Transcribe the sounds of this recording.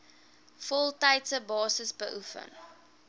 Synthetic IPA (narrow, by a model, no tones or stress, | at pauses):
fɔlˠtɐjtsəbɑːsəsbəʔufə̰n